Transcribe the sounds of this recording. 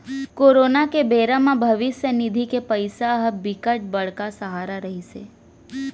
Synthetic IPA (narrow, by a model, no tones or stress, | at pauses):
koɾonakebeɾamãbʱəʋɪʃjənid̪ʱikepəjsaɦəbikəʈ̚bəɭkasəɦaɾaɾəɦiʃe